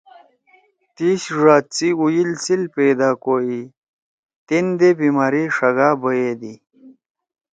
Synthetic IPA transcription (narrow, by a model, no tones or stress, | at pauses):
t̪iɕʐaːt͡siujilsilped̪aːkoi | t̪ind̪ebiːmaːɾiʂɐɡaːbɐjed̪i